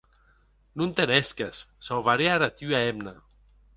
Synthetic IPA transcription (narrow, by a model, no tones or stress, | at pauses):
nunt̪eneskasːawvaɾeaɾat̪yaemna